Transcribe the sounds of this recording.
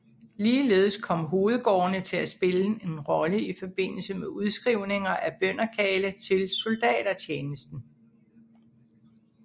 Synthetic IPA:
liːle̝̰ːð̞̩ˠəskʰɒ̽m̰ɦo̝ːð̞̩ˠɡ̥ɒ̰ːnət͡sʰe̝læsb̥e̝ləe̝nʁɒ̽ləifɒ̽b̥e̝n̰l̩səmeʔuð̞ˠsɡ̥ʁiʊ̰ne̝ŋɐʔæb̥œn̰ɐkʰɛːlət͡sʰe̝lso̝ld̥ɛ̰ːd̥ɐt͡ɕʰeːnəsd̥n̩

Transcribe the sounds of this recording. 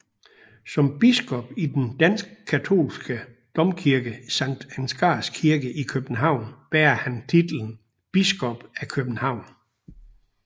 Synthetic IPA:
sɒ̽mb̥isɡ̥ɔ̽b̥id̥end̥æn̰sɡ̥əkʰæt͡sʰo̝̰ːlsɡ̥ə | d̥ɒ̽mkʰiɐɡ̥əsɑ̈ŋ̰d̥ænsɡ̥ɑ̰̈ːskʰiɐɡəʔikʰøb̥n̩ɦɑ̈ʊ̰nb̥æɐhænt͡sʰid̥l̩n̩ | b̥isɡ̥ɔ̽b̥ækʰøb̥n̩hɑ̈ʊ̰n

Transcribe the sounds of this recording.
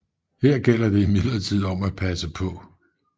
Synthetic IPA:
heɐ̰ɡ̥el̰ɐd̥e̝imið̰ˠlɐt͡sʰið̞̰ˠɒ̽mæ̥pʰæsəpʰɒ̽

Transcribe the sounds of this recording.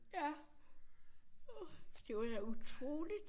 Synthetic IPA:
jæ | d̥ejaut͡sʰʁo̰ːlid̥

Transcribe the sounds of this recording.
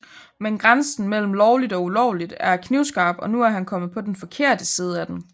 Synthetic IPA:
menɡ̥ʁansn̩mel̰m̩lɒʊlid̥ɒ̽ulɒʊlid̥æɐkʰniʊsɡ̥ɑ̈ːb̥ɒ̽nuæɐɦænkʰɒ̽mð̩ˠpʰɒ̽denfɒ̽kʰe̝ɐ̰d̥əsiːð̞ˠəæd̥em

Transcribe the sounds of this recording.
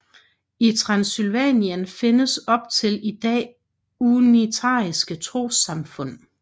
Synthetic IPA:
it͡sʰʁɑ̈nsylʋɛ̰ːniənfe̝nəsɒ̽b̥̚t͡sʰe̝lid̥ɛ̰ː | unit͡sʰɑ̰̈ːisɡ̥ət͡sʰʁo̝̰ːsɑ̈mfɔ̽n̰

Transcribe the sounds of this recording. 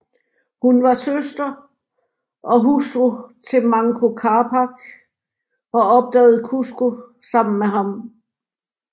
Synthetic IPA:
hunʋɑ̈søsd̥ɐ | ʔɒ̽ɦusʁot͡sʰe̝lmɑ̈ŋkʰo̝kʰɑːpʰɑ̈ɡ̥ | ɒ̽ɒ̽b̥̚d̥ɛːʊð̩ˠkʰusɡ̥o | sɑ̈m̰n̩meɦɑ̈m

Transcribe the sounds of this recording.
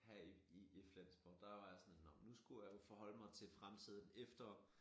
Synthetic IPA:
hæiieflæn̰sb̥ɒd̥ɑʋɑ̈jɑsɒnnɒmnusɡ̥ujafɒɦɒ̽l̰əmɑ̈ɪt͡sʰe̝lfʁamt͡sʰið̞̰ˠn̩efd̥ɐ

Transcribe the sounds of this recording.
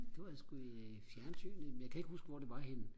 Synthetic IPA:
d̥eʋjasɡ̥uifjæɐnsʰy̰ːnəmenjakʰæe̝ɡ̥husɡ̥əʋɒd̥eʋɑ̈henə

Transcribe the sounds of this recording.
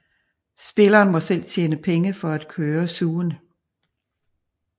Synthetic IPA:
sb̥e̝lɐːnmɒ̽sel̰t͡sʰjeːnəpʰeŋəfɒ̽æd̥̚kʰøːɐsuːn

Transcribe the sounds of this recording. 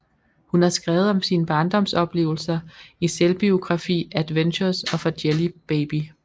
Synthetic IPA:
hunhæ̈sɡ̥ʁɛːʊð̞̩ˠɒ̽msiːnəb̥ɑ̈ːnd̥ɒ̽m̰sɒ̽b̥le̝̰ːʊl̩sɐiselb̥io̝ɡ̥ʁɑ̈fḭːæd̥ʋenɕɐsɒ̽fɒd̥jelib̥eːb̥i

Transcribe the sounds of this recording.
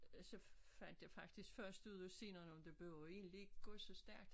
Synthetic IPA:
sɒ̽fæn̰d̥jɑfɑ̈ɡ̥̚d̥isɡ̥fɶɐ̰sd̥uð̰ˠɒsenɐnɒ̽md̥e̝b̥le̝ʊe̝̰ːnlieɡ̥ɡ̥ɔsɒ̽sd̥æɐ̰ɡ̥̚d̥

